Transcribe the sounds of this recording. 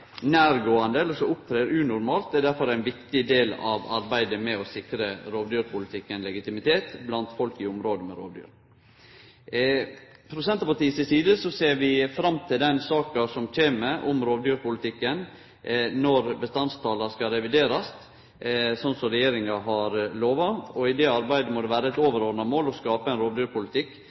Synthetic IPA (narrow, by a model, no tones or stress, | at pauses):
næːɾɡoːɑnd̪əɛləɾʂɔʊp̚t̪ʰɾeːɾʉnʊɾmɑːlt̪̚æɖ̪æɾfɔɾæɪnʋɪkt̪ɪd̪eːlɑ̰ʋɑɾbæɪd̪əmɛɔsɪkɾəɾoːʋd̪yːɾpʰʊlɪt̪ʰɪkːənlɛɡɪt̪ɪmɪt̪ʰeːt̪blɑnt̪fɔlkɪʊmɾoːd̪əmɛ̰ɾo̰ːʋd̪y̰ːɾ | pʰɾʊsɛnt̪ɑpɑʈ̪iːəsɪsiːd̪əsɔseːɾʋɪfɾɑmt̪ʰɪld̪ɛnsɑːkɑsɔmc͡çʰeːməʔɔmɾoːʋd̪yːɾpʊlɪt̪ʰɪkːən | nɔɾbəst̪ɑnst̪ʰɑːlɑskɑɾɛʋɪd̪eːɾɑst̪ | sɔnsɔɾɛjeːɾɪŋɑɦɑɾloːʋɑɔɪd̪ɛɑɾbæɪd̪əmɔd̪ɛʋæːɾəɛt̪oːʋəɾoːɾnɑmoːlɔskɑːpəɛnɾoːʋd̪yːɾpʊlɪt̪ʰɪkː